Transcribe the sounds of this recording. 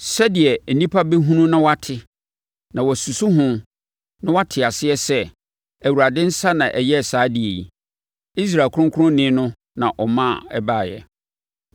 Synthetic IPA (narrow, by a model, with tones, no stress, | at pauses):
sɛ˦dɪ˨ɛ˨n̩˨nĩ˦pʰa˦be˦ɦũ˦nũ˦nã˦wa˦tʰɪ˦ | nã˨wɔ˨su˨su˦ɦʊ̃˦ | nã˦wa˦tʰɪ˨a˨sɪ˦ɛ˦sɛ˦ | æ˨wu˨ɾa˨dɪ̃˦n̩˦sa˦nã˨ʔɛ˨jɛ˦˨saː˦dɪ˨e˨jḭ˨ | i˦s̬ɾaː˨kʰʊ̃˦kʰɾʊ̃˦nɪ̃ː˦nʊ̃˦ | nã˨ʔɔ˨mã˦˨ɛ˦baː˦˨jɛ̰˨